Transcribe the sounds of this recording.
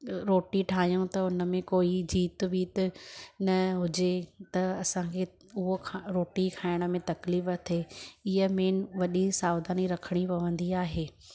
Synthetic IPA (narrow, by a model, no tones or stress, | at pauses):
ɾoːʈiʈʰaːɦijũt̪ɐʊnə̆mẽkoːid͡ʑiːt̪biːt̪nɐɦʊd͡ʑet̪ɐɐsãkʰe | ʊɦokʰɾoːʈikʰaːɪɽ̃ə̆mẽt̪ɐkliːft̪ʰeɪɦəmeːnʋɐɗisaːwd̪aːniɾɐkʰəɽ̃ipɐʋə̃nd̪iaːɦeː